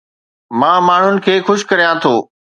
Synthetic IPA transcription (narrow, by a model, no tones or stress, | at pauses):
mãːmaːɳ̤ʊnɪ̆kʰeːxʊʃ̆kɐɾijãt̪ʰoː